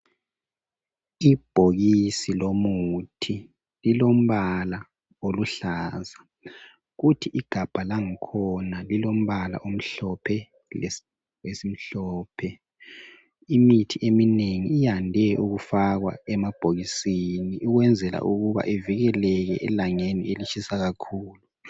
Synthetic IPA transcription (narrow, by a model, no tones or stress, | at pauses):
ib̥ʱoɣisilomutʰi | lilom̩βala | oluɬaːza | ɣutʰiʔiɡ̥ʱab̥ʱalaŋikʰɔnalilom̩βala̰ʔom̩ɬɔpʰɛ | l | wesim̩ɬɔːpʰɛ | imitʰiʔemineŋiijandʱɛʔuɣufaɣwa̰ɛmab̥ʱoɣisiniʔuɣwɛnd͡zʱɛla̰ʔuɣuβa̰ʔeviɣɛlɛɣɛʔɛlaŋenḭelit͡ʃisaɣakʰuːlu